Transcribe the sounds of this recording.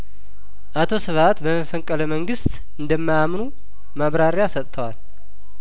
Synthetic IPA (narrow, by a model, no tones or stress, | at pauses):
ʔat̪ʰo̞sɨβat̪bəməfəŋkʼələməŋɡɨst̪ʼ | ɨnd̪əmːajamnu | maβɾaɾjasət̪ʼt̪ʰəwal